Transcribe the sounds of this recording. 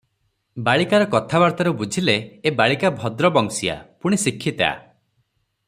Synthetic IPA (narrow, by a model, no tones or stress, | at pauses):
baɭikaɾɔkɔt̪ʰabaɾt̪ɔɾɔbud͡ʒʱileːbaɭikabʱɔd̪ɾɔbɔŋsia̰puɽ̃isikʰːit̪a̰